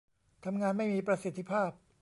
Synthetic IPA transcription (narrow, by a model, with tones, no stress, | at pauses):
t̪ʰa˧mŋaː˧nma˥˩jmiː˧pɾa˧si˨˩t̪ʰːi˦˧˥pʰaː˥˩p̚